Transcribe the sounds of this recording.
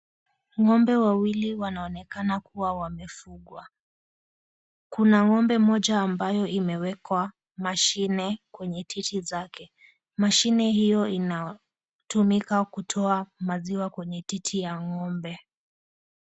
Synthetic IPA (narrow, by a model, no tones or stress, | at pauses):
ŋɔmbɛwawiliwanaɔnɛkanakuwawamɛfuɠwa | kunaŋɔmbɛmɔʄaːmbajɔimɛwɛkwa | maʃinɛkwɛɲɛtʰitʰizakɛ | maʃinɛhijɔina | tumikakutʰɔamaziwakwɛɲɛtitʰijaŋɔmbɛ